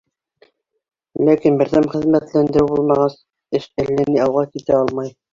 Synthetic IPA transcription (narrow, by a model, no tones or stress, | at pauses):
lækinbɘ̆ɾðæmχɘ̆ðmæt̪lænd̪ɘ̆ɾɘwbulˠmɑʁɑs | ɘʃɘ̆lːæniɑwʁɑkit̪æɑlˠmɑj